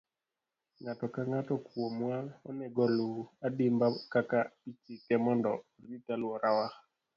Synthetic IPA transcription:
ŋatɔkaŋatɔkwomwaɔnɛɡɔluadimbakakapit͡ʃikɛmɔndɔ̰ritalwɔɾʔawa

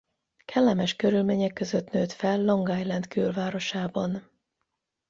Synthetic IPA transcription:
kʰɛlːɛmɛʃkøɾylmeːɲɛkːøzøt̪nøːt̪fɛlːoŋɡaːjlɛnt̪kyːlvaːɾo̞ʃaːbɒn

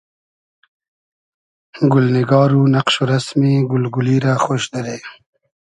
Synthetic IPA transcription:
ɡʊlnɪɡɑːɾunaqʃoɾasmiɡʊlɡʊliɾaxoːʃd̪aɾe

